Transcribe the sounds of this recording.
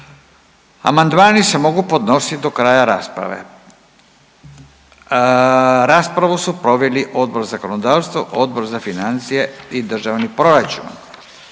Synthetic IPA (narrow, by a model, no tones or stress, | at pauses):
a̰mand̪maːnise̞mo̞ɡupo̞d̪no̞sit̪d̪o̞kɾaːjaɾapɾa̰ʋḛ | ɾaːspɾaʋusupɾo̞ʋeliʔo̞d̪̚bo̞ɾzako̞nod̪aːʋst̪ʋoʔo̞d̪̚bo̞ɾzafinant̪sijeid̪r̩ʒaʋnipɾo̞ɾat͡ʃṵn